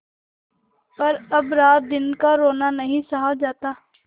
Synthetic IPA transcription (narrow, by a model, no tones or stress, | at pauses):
pɐɾɐbɾaːt̪̚d̪ɪnkaɾoːnanəɦĩsɐɦad͡ʒaːt̪aː